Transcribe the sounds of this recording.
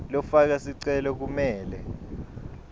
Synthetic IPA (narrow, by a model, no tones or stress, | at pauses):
lɔfak̬asiǀɛlɔk̬umɛːlɛ